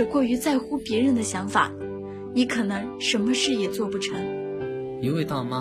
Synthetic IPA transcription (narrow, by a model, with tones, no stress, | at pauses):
ə˨˩kwɔ˥˩y˧˥t͡sa˥˩ɪxu˥pjɛ˧˥ɻə˧˥nd̪ə˧ɕjɑ˧˥ŋfa̰˨˩˦ | ni˧˥kʰɤ˨˩nɤ˧˥ŋʂə˧˥nmə˧ʂɻ̩˥˩jɛ˨˩t͡swɔ˥˧pu˥˩ʈ͡ʂʰɤ˧˥ŋ | i˧˥we˥˧ɪt̪ɑ˥˧ʊma˧